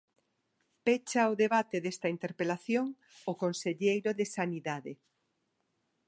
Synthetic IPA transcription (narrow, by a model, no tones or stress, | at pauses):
pet͡ʃaʊðeβat̪eðest̪ɐint̪eɾpelaθjoŋ | ʊkonseʎejɾoðesaniðaðe